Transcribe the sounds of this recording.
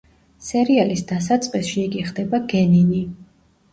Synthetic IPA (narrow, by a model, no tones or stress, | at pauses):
sɛɾialisd̪as̬at̪sʼqʼisʃiːɡiχd̪ɛbaɡɛnini